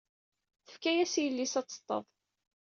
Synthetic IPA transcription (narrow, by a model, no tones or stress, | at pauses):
θəfkæjæsjəlːisæt͡sːə̥t̪ˤːə̰ðˤ